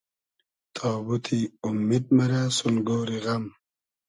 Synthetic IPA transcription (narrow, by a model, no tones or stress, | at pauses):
t̪ʰaːbut̪ʰiumːid̪̚mɐɾaːsunɡoːɾiɣɐm